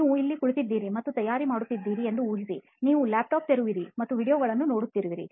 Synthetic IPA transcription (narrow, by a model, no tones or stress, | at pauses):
ʋuilːikuɭut̪id̪ːiːɾimɐt̪ːut̪ɐjaːɾimaːɽut̪ːid̪ːiːɾiend̪uuːɦisi | niːʋulaːp̚ʈaːp̚t̪eɾuʋiɾimɐt̪ːuʋiːɽijoːɡɐɭɐnːuno̞ːɽut̪ːiɾuʋiɾḭ